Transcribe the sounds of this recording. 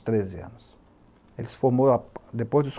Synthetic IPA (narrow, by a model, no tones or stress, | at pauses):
st̪ɾezea̰nʊs | elsfomoɾad̪epojzd̪us